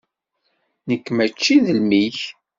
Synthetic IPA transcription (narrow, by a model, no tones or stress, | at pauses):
nəkːmæt͡ʃːiðəlmiç